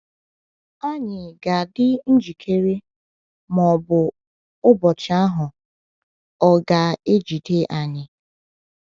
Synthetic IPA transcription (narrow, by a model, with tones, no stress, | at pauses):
a˦ɲɪ˨ɡa˨dɪ˦n̩˦d͡ʒi˨kʰe˦ɾe˦ | mɔ˨bʊ˨ | ʊ˦bɔ˨t͡ʃɪ˨˦a˦ɦʊ˨ | ɔ˨ɡa˨e˦d͡ʒi˨te˦ʔa˨ɲɪ˨